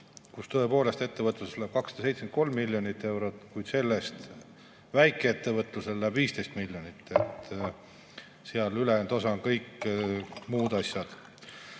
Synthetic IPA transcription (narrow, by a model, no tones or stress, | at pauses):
kust̪ø̞e̞po̞ːle̞st̪e̞t̪ːevət̪ːˑlusslæb̥̚kɑksɑd̪̥se̞jt̪smenko̞lmːilʲːjonit̪ːˑe̞wɾot̪ːˑkujd̪̥se̞lːest̪ | væjkːˑeet̪ːevɤt̪ːˑluselːæb̥viːst̪e̞jst̪milʲjonit̪ːˑet̪ːˑ | seɑlylend̪̥o̞sɑnkɤjk | muːd̪̥ɑsʲjɑd̪̥